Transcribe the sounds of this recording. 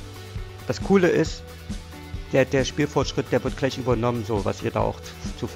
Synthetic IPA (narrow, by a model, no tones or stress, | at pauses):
d̥askʰuːləʔɪst | d̥eːɐdeːɐʃpiːlfɔɐtʃʁ̥ɪt̚d̥eːɐvɪɐt̚ɡ̥laɪçʔyːbɐnɔmənzoːva̰sʔḭːɐda̰ːʔa̰ʊx | t͡suf